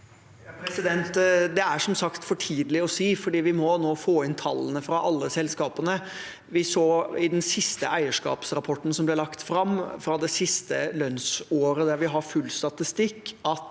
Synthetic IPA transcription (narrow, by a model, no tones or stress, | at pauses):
pɾɛsɪd̪ɛnt̪d̪ɛæʂɔmsɑkt̪fɔʈʰiːd̪əlɪɔsiːfɔɖiːʋɪmɔnoːfoːɪnt̪ʰɑlːənəfɾɑʔɑlːəsɛlskɑːpənə | ʋɪsoːɪd̪ɛnsɪst̪əʔæɪəʂkɑ̰ːpsɾɑpʰɔʈːn̩sɔmblɛlɑkt̪fɾɑmfɾɑd̪ɛsɪst̪əlœnsoːɾəd̪æɾʋɪɦɑɾfʉlːst̪ɑt̪ɪst̪ɪkːɑt̪